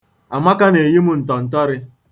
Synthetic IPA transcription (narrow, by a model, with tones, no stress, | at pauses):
a˨ma˦ka˦ne˨ji˦mʊ˦n̩˨tɔ˨n̩˨tɔ˦ɾɪ˦